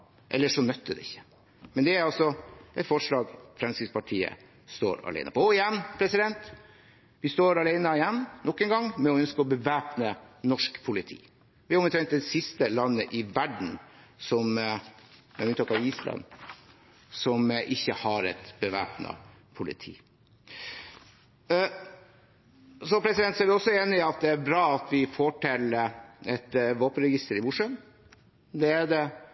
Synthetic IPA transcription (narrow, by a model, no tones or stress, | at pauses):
ʔɛ̰lːəʂɔnœt̪ːəd̪ɛɪçːə̥ | mɛnd̪ɛæɾɑlsɔʔɛt̪fɔʂɭɑːɡfɾɛmsəspɑʈʰiːə̰ | st̪o̰ːɾɑ̰lɛ̰ɪnə̰pʰɔɔɪjɛnːpʰɾɛsɪd̪ɛnt̪ | ʋɪst̪oːɾɑlæɪnəɪjɛnːnɔkːənɡɑŋːmɛɔœnskəɔbəʋæːpnənɔʂkpʰʊlɪt̪ʰḭː | ʋɪɑɾɔmt̪ʰɾɛŋkt̪̚d̪ɛsɪst̪əlɑnːəʔɪʋæɖɳ̩sɔm | ɛmʉnɑːkɑʋiːslɑ̰n | sɔmʔɪçːəhɑɾɛ̰t̪bəʋæ̰ːpnə̰ | pʰʊlɪ̰t̪ʰḭː | sɔpʰɾɛsɪd̪ɛnt̪sɔæɾʋɪɔsːɔeːnɪɑt̪̚d̪ɛæɾbɾɑːɑt̪ʋɪfɔʈʰɛləɛt̪ʋoːpənɾɛɡɪst̪əɾɪmʊʂən | d̪ɛæd̪ɛ